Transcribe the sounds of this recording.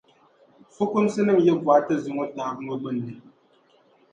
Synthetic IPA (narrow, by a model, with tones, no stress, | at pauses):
fu˦ku˦msɨ˦nɨ˦˨ŋje˦vwa˨˦tə˦zi˨ŋo˦taː˨˦k̚mə˦ɡ͡bɨ˦˨n̩˨di˨